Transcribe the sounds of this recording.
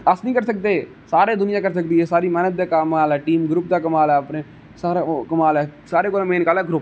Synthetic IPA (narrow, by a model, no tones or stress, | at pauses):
əsnĩːkəɾsək̚d̪eː | saːɾeːd̪ʊnɪjãːkəɾsəkd̪iːɦɛːsaːɾiːmɛːnəd̪̚ːaːkaːmaːlɛːʈiːmɡɾʊp̚d̪aːkəmaːlɛːəpneː | saːɾakəmaːlɛːsaːɾeːkoːlẽmẽːnkaːlɛːɡɾʊp